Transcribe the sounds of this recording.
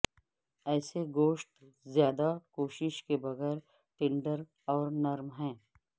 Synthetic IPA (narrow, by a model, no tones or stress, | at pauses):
ɛːseɡoːʃʈ̪ | zjaːd̪akoːʃɪʃkebɐɣɛːɾ | ʈẽːɳɖəɾ | ɔːɾnɐɾmɦɛ̃ː